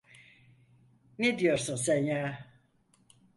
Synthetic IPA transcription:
ned̪ijo̞ɾsunsænjaː

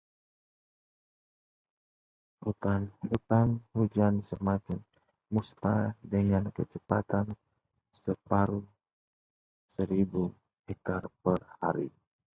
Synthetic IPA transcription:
ut̪anut̪anhud͡ʒansəmat̪ʊn | must̪a̰dəŋankət͡ʃəpat̪an | səpaɾu | səɾibu | hɛk̚t̪arpərha̰ɾi

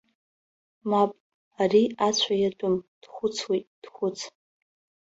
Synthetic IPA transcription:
mapʼ | ariat͡ɕʷʰajatʷʼʊmd̥χʷʊt͡sʰwitʼd̥χʷʊt͡sʰ

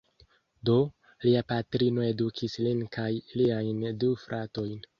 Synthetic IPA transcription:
do̞ | liapatɾino̞e̞dukʰislinkʰajliajndufɾʔato̞jn

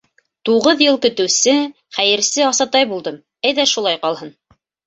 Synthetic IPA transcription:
t̪uʁɤðjɤlˠkɵ̆t̪ɵ̆wsɘ | χæjɘ̆ɾsɘɑsɑt̪ɑjbulˠd̪ɤm | æjðæʃulˠɑjqɑlˠɦɤn

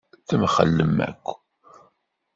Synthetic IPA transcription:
θəmχə̰lːəmæ̰kʷː

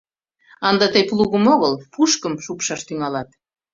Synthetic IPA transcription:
ɑnd̪ɑt̪əjpluɣəmoɣəlpuʃkəmʃupʃɑʃt̪yŋɑlɑt̪

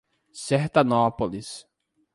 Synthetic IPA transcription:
seht̪ɐnɔpolis

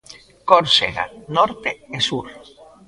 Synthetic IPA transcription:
koɾseɣa̰nɔɾt̪eesuɾ

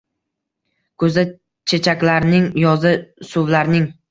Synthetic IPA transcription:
kʰɵzd̪a | t͡ʃʰe̞t͡ʃʰakʲlaɾnɪŋjɒzɪsʊvlaɾnɪŋ

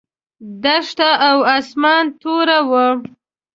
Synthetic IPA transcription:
d̪aʂt̪aʔːwasmɑnt̪oɾawə

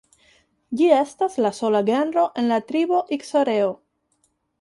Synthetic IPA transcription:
d͡ʒie̞staslaso̞laɡenɾo̞ʔe̞nlatɾiboʔiksoɾeo

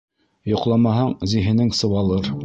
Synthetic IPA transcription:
jŏqlˠɑmɑɦɑɴziɦɘ̆nɘŋsɤ̆wɑlˠɤɾ

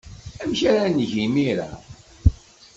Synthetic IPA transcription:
æmçaɾænʝimiɾa̰

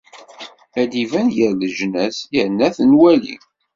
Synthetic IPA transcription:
æd̪ivænjəɾðəʒnæsjəɾnːæθənwælḭ

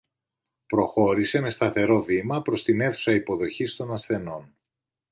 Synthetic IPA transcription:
pɾo̞xo̞ɾise̞me̞st̪ɐθe̞ɾo̞vimɐpɾo̞st̪ine̞θu̥sɐipo̞ðo̞çist̪o̞nɐsθe̞no̞n

